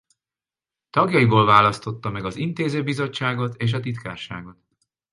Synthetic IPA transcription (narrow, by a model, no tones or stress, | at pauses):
t̪ɒɡjɒjiboːlvaːlɒst̪o̞t̪ːɒmɛɡɒzint̪eːzøːbizo̞t͡ʃːaːɡo̞t̪eːʃ̬ɒt̪it̪ka̰ːrʃa̰ːɡo̞t̪